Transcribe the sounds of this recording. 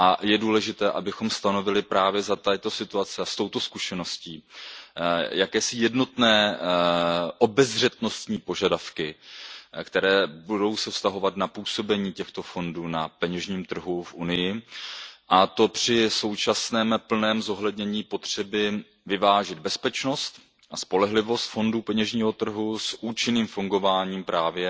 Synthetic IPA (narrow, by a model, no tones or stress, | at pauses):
ʔajɛduːlɛʒɪt̪ɛːʔabɪxo̞mst̪ano̞vɪlɪpɾaːvjɛzat̪at̪o̞sɪt̪uat͡sɪast̪o̞wt̪o̞skuʃɛno̞sciː | jakɛːsɪjɛdno̞t̪nɛː | ʔo̞bɛzr̝ɛt̪no̞st̪ɲiːpo̞ʒadafkɪ | kt̪ɛɾɛːbudo̞wsɛfst̪aɦo̞vat̪napuːso̞bɛɲiːcɛxt̪o̞fo̞nduːnapɛɲɛʒɲiːmt̪r̩ɦufʔunɪjɪ | ʔat̪o̞pr̝̥ɪso̞wt͡ʃasnɛːmpl̩nɛːmzo̞ɦlɛdɲɛɲiːpo̞t̪r̝̥ɛbɪ | vɪvaːʒɪd̪bɛspɛt͡ʃno̞st̪ | ʔaspo̞lɛɦlɪvo̞st̪fo̞nduːpɛɲɛʒɲiːɦo̞t̪r̩ɦusʔuːt͡ʃɪniːmfuŋɡo̞vaːɲiːmpɾaːvjɛ